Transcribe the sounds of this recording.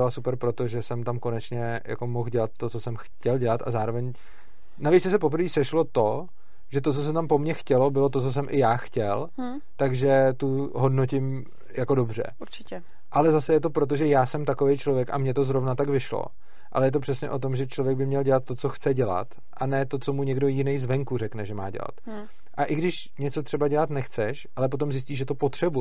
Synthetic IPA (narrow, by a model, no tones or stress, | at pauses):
ɪlasupɛɾpɾot̪o̞ʒɛsɛmt̪amko̞nɛt͡ʃɲɛ | ja̰ko̞mo̞xɟɛlat̪ːo̞t͡sosɛmxcɛlɟɛlat̪ʔa̰zaːɾovɛɲ | navit͡sɛsɛp̬op̬ɾ̩viːsɛʃlo̞t̪o̞ | ʒ̥ɛt̪ot͡sos̬ɛt̪ampo̞mɲɛxcɛlo̞bɪlot̪ot͡so̞s̬ɛmʔɪjaːxcɛl | t̪aɡʒɛt̪uɦodnocɪm | jako̞do̞br̝ɛ̰uɾt͡ʃɪɛ | ʔalɛzasɛjɛt̪o̞pɾot̪̬oʒɛjaːsɛmt̪akovejt͡ʃlo̞vjɛkʔa̰mɲɛt̪o̞zɾovnat̪aɡvɪʃlo̰ | ʔa̰lɛjɛt̪̬opr̝̥ɛsɲɛ̰ʔo̞t̪o̞mʒɛt͡ʃlo̞vjɛɡ̚bɪmɲɛlɟɛlat̪̚ːo̞t͡so̞xt͡sɛɟɛla̰t̪ | ʔanɛːt̪o̞t͡so̞muɲɛɡdo̞jɪnejzvɛŋkurɛknɛʒɛma̰ːɟɛ̰la̰t̪ | ʔaʔɪɡdɪʃ | ɲɛt͡so̞t̪r̝̥ɛbaɟɛlat̪nɛxt͡sɛʃʔalɛp̬o̞t̪̬o̞mzɪs̬ciːʒɛt̪o̞po̞t̪r̝̥ɛbu